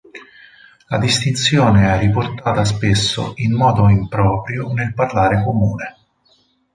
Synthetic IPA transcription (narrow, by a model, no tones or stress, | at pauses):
la̰d̪ist̪int̪sjoːneɛrːiport̪aːt̪as̬pesːo̰ʔimːɔːd̪oimpɾɔːpɾjonelparlaːɾekomuːne